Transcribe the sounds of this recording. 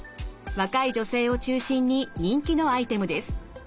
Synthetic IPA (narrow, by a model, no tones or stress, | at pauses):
βakaid͡ʑo̞se̞ːo̞t͡ɕɨːɕĩɲ̟ːiɲ̟ĩŋkʲino̞ait̪e̞mɯ̟d̪e̞sɨ̥